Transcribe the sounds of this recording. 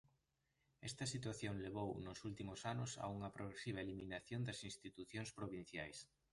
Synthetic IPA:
ɛst̪ɐsit̪waθjoŋleβ̞ownosult̪imosanʊsa̰uŋɐpɾoɣɾesiβ̞ɐeliminaθjond̪ɐsĩnst̪it̪uθjoŋspɾoβin̟θjajs

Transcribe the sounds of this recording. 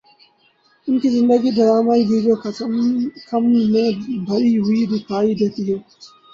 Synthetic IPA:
ʊnkʰizɪ̃nd̪əɡid̪ɐɾaːmaid̪iːd͡ʒoːkɐ | kɐmmẽbʱɐɾiɦʊid̪ipaːid̪eːt̪iɦeː

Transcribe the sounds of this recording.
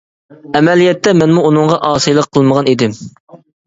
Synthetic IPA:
ɛmɛlijɛt̪ːɛmɛnmuːnɨŋʁɑʔɑːsɨjlˠəqʰːəlˠməʁɑnid̪ɪm

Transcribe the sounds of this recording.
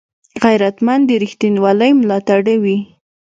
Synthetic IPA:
ɣajɾat̪mand̪eɾixt̪inwɑləjmlɑt̪aɽawi

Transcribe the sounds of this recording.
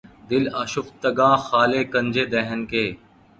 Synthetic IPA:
d̪ɪləʃʊft̪əɡãːxaːleːkə̃nd͡ʒeːd̪ɛɦənkeː

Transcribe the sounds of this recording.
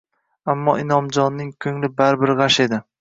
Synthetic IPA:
amːɒʔɪnɒmd͡ʒɒnːɪŋkʲʰɵŋlɪbaɾbɪɾʁaʃe̞d̪ɪ

